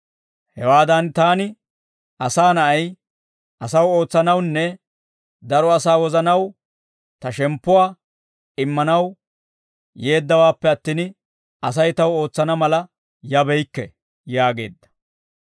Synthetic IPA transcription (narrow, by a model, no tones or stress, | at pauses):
hɛwaːd̪ɐnt̪aːnɪ | ʔɐsaːnɐʔɐj | ʔɐsɐwo̞ːt͡sːɐnɐwnːɛ | d̪ɐɾɔɐsaːwɔzɐnɐw | t̪ɐʃɛmpːʊwaː | ɪmːɐnɐw | je̞ːd̪ːɐwaːpːɛɐt̪ːiːn | ɐs̬ɐjt̪ɐwo̞ːt͡sːɐnɐmɐlɐ | jɐbɛjkːɛ̰ | jaːɡe̞̰ːd̪ːɐ̥